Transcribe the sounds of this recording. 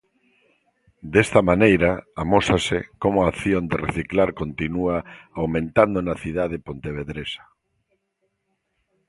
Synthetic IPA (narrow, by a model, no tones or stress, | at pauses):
d̪est̪amanejɾaamosasɪkomʊaθjond̪ereθiklaɾkont̪inuaawmẽnt̪and̪onaθiðaðepont̪eβeðɾesḁ